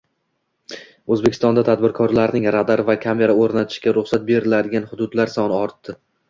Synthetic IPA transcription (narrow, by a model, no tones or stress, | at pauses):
ɵzbekʲʰɪst̪ɒnd̪at̪ʰad̪̚bɪɾkʰɒɾlaɾnɪŋɾad̪aɾɪvakʲʰame̞ɾaoɾnat̪ʰɪ̥ʃɡʲaɾʊχsat̪̚be̞ɾɪlad̪ɪɡʲanχʊd̪ʊd̪laɾsɒnɪɒɾt̪ːɪ